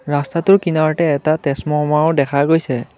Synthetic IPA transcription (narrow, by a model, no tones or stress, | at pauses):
ɹastatʊɹkinawɔtɛːtatɛsmɔmaʊdɛkʰaɡojsɛ